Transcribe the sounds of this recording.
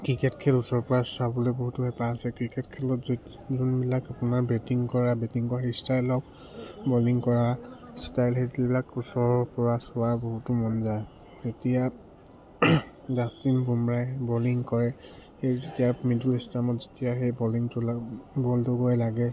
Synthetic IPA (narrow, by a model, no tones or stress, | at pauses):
kɹikɛtkʰɛlusɔɹpɔɹasabɔlojboɦutʊhɛpaːsɛkɹikɛtkʰɛlɔt | zunbilakapʊnaɹbɛtiŋkɔɹabɛtiŋkɔɹaxestajlɔk | bɔliŋkɔɹastajlɦɛtibilakusɔɹpɔɹasʊwaboɦutʊmɔnzaj | etija | zasinbumɹajbɔliŋkɔɹɛxejzetijamidulistamɔtzetijaxejbɔliŋtʊbɔltʊɡojlaɡɛ